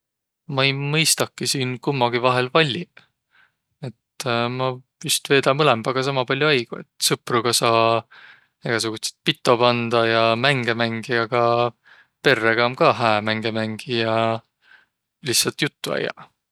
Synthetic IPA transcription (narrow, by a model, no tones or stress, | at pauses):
mɑejmɤjst̪ɑkːˑisiːnkumːɑɡ̥ivɑɦe̞lvɑlʲːi | e̞t̪mɑpyst̪ve̞ːd̪̥ɑmɤlemb̥ɑɡ̥ɑs̬ɑmɑpɑlʲːjoɑjɡ̥ue̞̰t̪ˑsɯpruɡ̥ɑsɑː | eɡ̥ɑs̬uɡ̥ut̪set̪̚pit̪ːˑo̞pɑnd̪̥ɑjɑmæŋɡ̥e̞mæŋɡ̥iɑɡ̥ɑ | pe̞rːeɡ̥ɑmkɑɦæːmæŋɡe̞mæŋɡ̥ijɑ | liçsːɑlt̪jut̪ːuæ̰jɑ̰